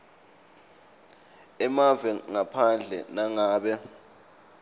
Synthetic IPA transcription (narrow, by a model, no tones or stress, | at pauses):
ɛmavɛŋapʰand͡ɮʱɛ̰naŋaːɓɛ